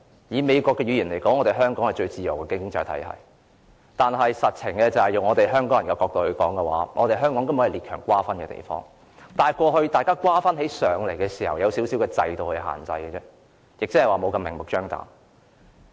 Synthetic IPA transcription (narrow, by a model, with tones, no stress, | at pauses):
jiː˨˧me˨˧jkʷɔː˧kːɛː˧ɥyː˨˧jyː˨˩nle˨˩jkɔː˨˥ŋɔ˨˧t̪e˨˩ɦœː˥ŋkɔː˨˥ŋhɐ˨jt͡ʃɵ˧ɥt͡siː˨˩jɐ˨˩wkɛː˧kɪ˥ŋŋt͡sɐ˧jt̪ʰɐ˨˥jhɐ̰˨j | t̪aː˨nɦɐ˨jsɐ˨t̚t͡sʰɪ˨˩ŋkɛː˧t͡sɐ˨˩hɐ˨jjʊ˨ŋɔː˨˧t̪e˨˩jɦœː˥ŋkɔː˨˥jɐ˨˩kaː˧kɔː˧k̚t̪o˧hɵ˧kɔ̰ː˨˥ŋkɛ˧wa̰ː˨˥ŋʔɔː˨˧t̪e˨jɦœː˥ŋkɔː˨˥ŋkɐ˥m˧˥hɐ˨˩li˨tkʰœː˨˩ŋkʷwaː˥fɐ˥nkɛː˧t̪ḛ˨˩jfɔ̰ː˥ŋ | t̪aː˨˩jkʷɔː˧hɵ˧ɥt̪aː˨jkaː˥kʷwaː˥fɐ˥nɦe˨˥jsœː˨˧ŋle˨˩jkɛː˧siː˨˩hɐ˨˩wjɐ˨˧wsiː˨˥wsiː˨˥wkɛː˧t͡sɐ̰˧jt̪o˧whɵ˧ɥɦa̰ː˨˩nt͡sɐ̰˧jkɛ˧t͡sɛː˥ | jɪ˨k̚t͡sɪ˥hɐ˨˩waː˨˩mo˨˧wkɐ˧mɪ˨˩ŋmʊ˨˩k̚t͡ʃœː˥ŋt̪a̰ː˨˥m